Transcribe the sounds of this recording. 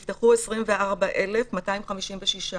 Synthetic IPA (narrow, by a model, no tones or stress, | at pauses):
ft̪aχuesʁimveaʁbaʔe̞lefmataimχamiʃimveʃiʃa